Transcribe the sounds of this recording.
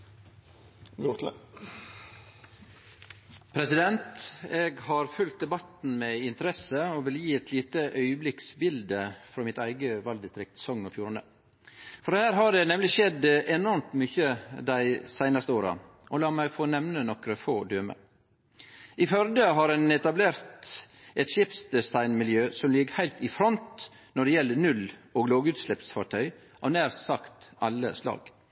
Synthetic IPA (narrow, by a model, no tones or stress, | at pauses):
ut̪l | pʰɾɛsɪd̪ɛnt̪eːɡhɑɾfʉlt̪̚d̪ɛbɑt̪n̩meɪnt̪əɾɛsəoːʋɪljiːɛt̪ʰliːt̪əʔœʏəblɪksbɪld̪əfɾoːmɪt̪æɪɡəʋɑld̪ɪst̪ɾɪk̚t̪sɔŋːɔfjuːɾənə̰ | fɔɾhæːɾɦɑɖ̪ɛnɛmlɪʃɛd̪ʔɛnɔɾmt̪myçəd̪æɪsæɪnɑst̪əoːɾɑ̰ | ɔlɑːmæɪɡfoːnɛmnənɔkɾəfoːd̪øːmə̰ | ɪfœɾd̪əɦɑɾɛnɛt̪ɑbleːɾt̪ | ɛt̪ʃɪpsd̪ɛsɑɪnmɪljøːsɔmlɪɡəhæɪlt̪ɪfɾɔnt̪ | nɔɖɛjɛlːənʉloːɡloːɡʉːt̪slɛpsfɑʈʰœʏ | ʔɑʋnæːɾsɑkt̪ɑlːə̰slɑ̰ːɡ̥